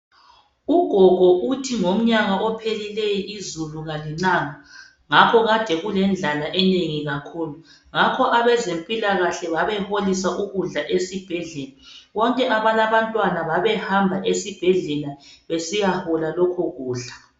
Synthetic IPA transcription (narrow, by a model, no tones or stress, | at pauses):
uɡ̥ʱɔɣʱɔʔutʰiŋom̩ɲaɣaʔɔpʰelilejiʔizuluŋaliŋ͡ǀaŋa | ŋakʰɔɣad̥ʱɛɣulɛnd͡ɮʱalaʔɛneŋiɣakʰuːlu | ŋakʰɔʔaβɛzempʼilaɣaɬɛβaβɛholisaʔuɣuɮaʔesib̥ʱɛɮɛlaβɔŋkʼɛʔaβalaβantʼwanaβaβɛhambʱaʔesib̥ʱɛɮɛlaβesijahɔlalɔkʰɔɣuːɮa